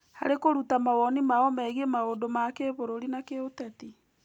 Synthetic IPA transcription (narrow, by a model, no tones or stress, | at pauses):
ha̰ɾekoɾutamawɔnimaɔmɛɣemaondomakeβoɾoɾinakeotɛti